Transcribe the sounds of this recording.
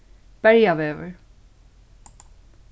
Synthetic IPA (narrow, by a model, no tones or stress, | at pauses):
b̥ɛɹiavɛvə̰˞